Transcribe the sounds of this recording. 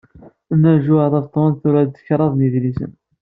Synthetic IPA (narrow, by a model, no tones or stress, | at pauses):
nːæɾʒʊðˤɑvt̪ˤːonθʊɾæd̪ːəçɾˤɑðˤniðlisə̰n